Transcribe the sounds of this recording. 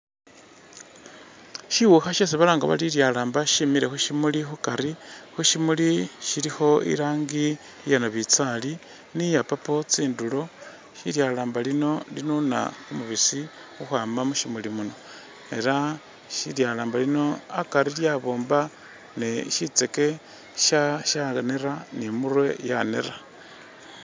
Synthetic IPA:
ʃiwuxaʃesiβalaːŋɡa̰βa̰liljalaːmbaʃimiɾe̞xuʃimulixukaɾixuʃimuliʃiɾixo̞ḭɾaːŋɡi | janoβit͡sali | nijapapo̞t͡siːndulo̞ | ʃḭljalaːmbalino̞linuna̰kumuβisi | xuxwaːmamuʃimulimuno̞ | e̞ɾa | ʃiljalaːmbalino̞akaɾiljaβo̞ːmba | neʃit͡se̞ke̞ | ʃaʃaaneɾanimurwe̞janḛra

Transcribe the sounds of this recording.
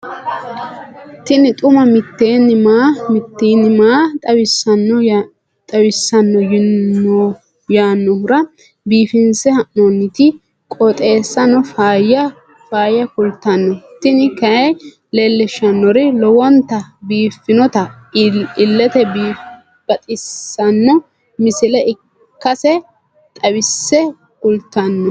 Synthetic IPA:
t̪ɪnɪt̪ʼʊmɐmɪt̪ːeːnːɪmaːmɪt̪ːeːnːɪmaːt̪ʼɐwɪsːɐnːɔ | t̪ʼɐwɪsːɐnːɔjɪnːɔ | jaːnːɔhʊɾɐ | biːfɪnsɛhɐʔonːɪt̪ɪ | kʼɔt̪ʼe̞ːsːɐnɔfaːjɐ | faːjɐkʊlt̪ːɐnːɔt̪ɪnɪkɐ | leːlːɛʃːɐnːɔɾɪlɔwɔnt̪ːɐbiːfːɪnɔt̪ɐ | ɪlːɛt̪ɛbiː | b̥ɐt̪ʼɪsːɐnːɔ | mɪsɪlɛɪ | kːɐsɛ | t̪ʼɐwɪsːɛ | kʊlt̪ːɐnːɔ

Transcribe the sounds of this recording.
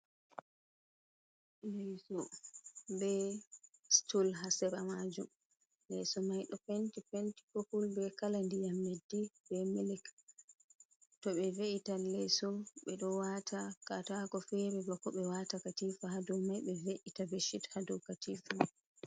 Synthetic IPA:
lɛsɔ | bɛ | stulɦasɛɾamad͡ʒum | lɛsɔmajɗɔpentipenti̥kokulbɛkalandijamːedːibɛmilik | tɔɓɛveʔitalɛsɔɓɛɗɔwatʰakatakɔfɛɾɛbakɔɓɛwatakatifahadɔwmajɓɛveʔitabeʃithadɔwkatiːfa

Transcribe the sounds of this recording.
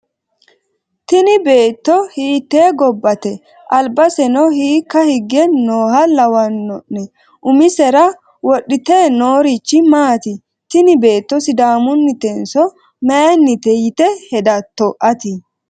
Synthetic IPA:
t̪ɪnɪbe̞ːt̪ːɔhiːt̪ːe̞ːɡɔbːɐt̪ɛ | ʔɐlbɐsɛnɔhiːkːɐhɪɡːɛnoːhɐlɐwɐnːɔʔɛ | ʔʊmɪsɛɾɐ | wɔɗɪt̪eːnoːɾit͡ʃːɪmaːt̪ɪ | t̪ɪnɪbe̞ːt̪ːɔsɪd̪aːmʊnːɪt̪ɛnsɔ | mɛɛnːɪt̪ɛjɪt̪ɛhɛd̪ɐt̪ːɔʔɐt̪ɪ

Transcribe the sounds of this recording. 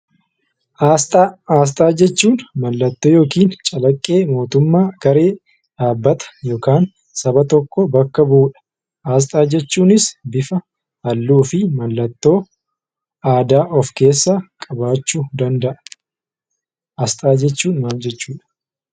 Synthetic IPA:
ʔaːst̪ʼaaːs̬t̪ʼaːd͡ʒɛt͡ʃːuːnmɐlːɐt̪ːoːjo̞ːkiːnt͡ʃʼɐlɐkʼːe̞ːmo̞ːt̪ʊmːaːɡ̥ɐɾe̞ː | ᶑaːbːɐt̪ɐ̥jo̞ːkaːn | sɐbɐt̪ɔkːɔbɐkːɐbuːᶑɐ̥ | ʔaːs̬t̪ʼaːd͡ʒɛt͡ʃːuːnɪsbɪfɐ | ɐlːuːfɪmɐlːɐt̪ːo̞ː | ʔaːd̪aːʔɔfke̞ːsːaːkʼɐbaːt͡ʃːuːd̪ɐnd̪ɐʔɐ | ʔɐst̪ʼaːd͡ʒɛt͡ʃːuːnmaːld͡ʒɛt͡ʃːuːᶑɐ̥

